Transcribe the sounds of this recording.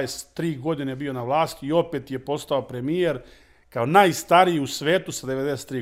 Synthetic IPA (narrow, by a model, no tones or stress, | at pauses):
est̪ːɾiːɡo̞d̪ine̞bio̞naʋlˠaːst̪iio̞peːt̪je̞po̞st̪ao̞pɾe̞mije̞ɾ | kaonaːjst̪aɾijiusʋe̞ːt̪usad̪eʋe̞d̪eset̪ːɾiː